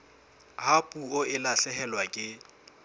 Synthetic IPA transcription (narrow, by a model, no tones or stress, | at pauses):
hapʼuoɪlaɬɛɦɛlwakʼɪ